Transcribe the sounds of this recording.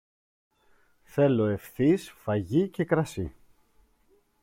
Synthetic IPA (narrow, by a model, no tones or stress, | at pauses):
θe̞lo̞e̞fθisfɐʝice̞kɾɐsi